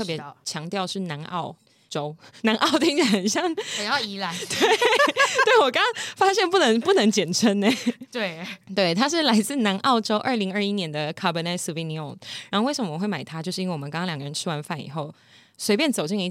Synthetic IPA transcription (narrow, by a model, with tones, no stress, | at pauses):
ɤ˥˩pjɛ˧˥t͡ɕʰjɑ˧˥ŋt̪jɑ˥˧ʊʂɻ̩˥˩na˧˥nʔɑ̰˥˩ʊ | ʈ͡ʂo˥ʊna˧˥nʔɑ˥˧ʊt̪̬i˥˧˥nɕjɑ˥˧ŋ˨˩jɑ˥˩i˧˥la˧˥t̪we˥˩ɪt̪we˥˩ɪwɔ˨˩kɑ˥ɑ˥ŋfa˥ɕjɛ˥˧npu˥˩nə˧˥ŋpu˥˩nə˧˥ŋt͡ɕjɛ˨˩nʈ͡ʂʰə˧˥nne˨˩t̪we˥˩t̪we˥˩ɪt̪ʰa˥ʂ̬ɻ̩˥˩la˧˥ɪt͡sɹ̩˥˩na˧˥nʔɑ˥˩ʊʈ͡ʂo˥ʊʔə˞˥˩li˧˥ŋə˞˥˧i˦˥njɛ˧˥nd̪ə˨kʰa˥˧bə˧na˥˩su˧vi˧˥ni˧o˨ŋɻa˧˦˥xo˥˧we˥˩ʂə˩mə˦wxwe˥˩ɪma˨˩ɪt̪ʰa˥t͡ɕjo˥˧ʊʂ̩˥˧˥nwe˩wo˨˩˦kɑ˥ŋkɑ˥ljɡə˧ɻə˧˦nʈ͡ʂʰɻ̩˥wa˧˦˥nfa˥˩nḭ˨˩xo˥˩ʊ | swe˧˥ɪpjɛ˥˩nt͡so˨˩ʊt͡ɕi˥˩ŋi˧˥